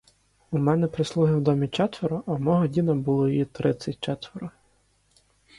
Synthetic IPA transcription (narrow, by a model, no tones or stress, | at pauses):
umɛnɛpɾɪslˠuɦɪwd̪ɔmʲit͡ʃɛt̪ʋeɾʊʔɐmɔɦɔdʲinɐbulˠɔjjit̪ɾɪt͡sʲːɐt̚ʲt͡ʃɛt̪ʋeɾʊ